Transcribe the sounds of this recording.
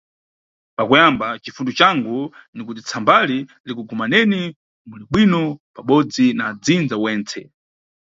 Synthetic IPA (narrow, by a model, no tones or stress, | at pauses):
pakujambat͡ʃifundut͡ʃaŋɡunikut̬it͡sʰambalilikuɡumanɛni | muliɓwinɔpaɓɔd͡zinad͡zind͡zawɛːnt͡sʰɛ